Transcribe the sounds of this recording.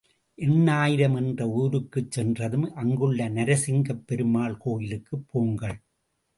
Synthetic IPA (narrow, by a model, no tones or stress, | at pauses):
ʔɛnːaːjɪɾɐmɛndrɐuːɾɯkːɯt͡ʃsɛndrɐðɯmʔɐŋɡɯɭːɐnɐɾɐsɪŋɡɐpːɛɾɯmaːɭkoːjɪlɯkːɯpːoːŋɡɐɭ